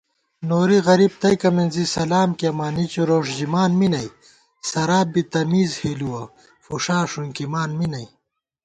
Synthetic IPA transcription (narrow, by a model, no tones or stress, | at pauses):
noːɾiɣɐɾiːb̚t̪ɐjkɐminzisɐlaːmkiɐmaːnit͡ɕiɾoːʂd͡ʑimaːnminɐj | sɐɾaːbit̪ɐmiːzheːluwɐ | fuʂaːʂuŋkimaːnminɐj